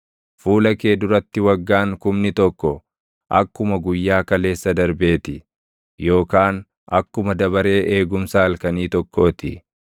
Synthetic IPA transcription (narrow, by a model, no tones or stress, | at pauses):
fuːlɐke̞ːd̪ʊɾɐt̪ːɪwɐɡːaːŋkʊmnɪt̪ɔkːɔ | ʔɐkːʊmɐɡʊjːaːkɐle̞ːsːɐd̪ɐɾbe̞ːt̪ɪ | jo̞ːkaːn | ʔɐkːʊmɐd̪ɐβɐɾe̞ːʔe̞ːɡʊmsaɐlkɐniːt̪ɔkʰːo̞ːt̪ɪ